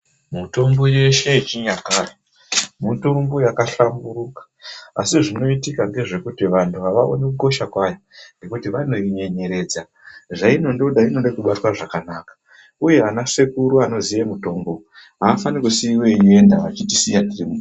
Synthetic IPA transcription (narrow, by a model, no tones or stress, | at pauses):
muto̞mbo̞je̞ʃe̞it͡ʃiɲakaːre | muto̞mbo̞jakaɬamburukḁa̰siʐino̞itikaŋɡe̞ʐe̞kutiʋantʰuʋaʋao̰nekuko̞ʃakwaja | ŋɡe̞kutiʋano̞iɲe̞ɲe̞ɾe̞ːd͡za | ʐaino̞ndoɗainonɗekuɓatwaʐakanaːkḁ | uje̞anase̞kuɾuano̞zijemuto̞ːmbo̞ | ɦaːfanikusiwejendaʋa̰t͡ʃitisijandirimu